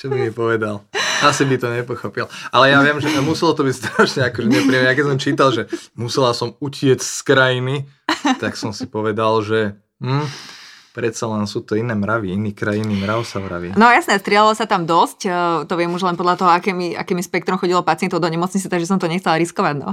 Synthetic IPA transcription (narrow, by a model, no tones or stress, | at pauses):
t͡ʃɔbimipɔʋɛd̪alasibit̪ɔɲɛpɔxɔpilʔalɛjaʋɪɛmʒɛmusilɔt̪ɔbicst̪ɾaːʃɲɛakɔʒɛɲɛpɾiɛmɛjakɛs̬ɔmt͡ʃiːt̪alˠʒɛmusɛlasɔmucɪɛt͡ɕskɾajini | t̪aksɔmsipɔʋɛd̪alʒɛ | mm̩ː | pɾɛt̪salɛnsuːt̪ɔinɛːmɾaʋiiniːkɾajinimɾaʊsamɾa̰ʋḭnɔjasɲɛst̪ɾɪɛlalɔsat̪amd̪ɔscːt̪ɔʋɪɛmuʒlɛnpɔd̪lat̪ɔɦɔakɛmiʔa̰kɛːmispɛkt̪ɾɔmxɔɟilɔpat͡sɪɛnt̪ɔʊd̪ɔɲɛmɔt͡sɲit͡sɛt̪aɡʒɛs̬ɔmt̪ɔɲɛxt͡sɛlɾiskɔʋaɟnɔ̰